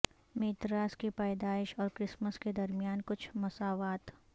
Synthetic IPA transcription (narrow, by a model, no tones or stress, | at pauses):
meːt̪ɾaːskipaːd̪aːɪʃɔːɾkɾɪsməsked̪ɐɾmijaːnkʊt͡ʃʰmɐsaːʋaːt̪